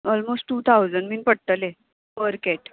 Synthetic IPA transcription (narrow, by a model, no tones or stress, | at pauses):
ɔlmosʈʈuːt̪ʰawd͡zəɳɖminpəɽ̚t̪əle | ʋəɾkeʈ